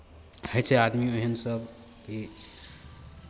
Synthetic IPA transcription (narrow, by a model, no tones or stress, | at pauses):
həjt͡ʃʰɛad̪mioɦənsəb | ki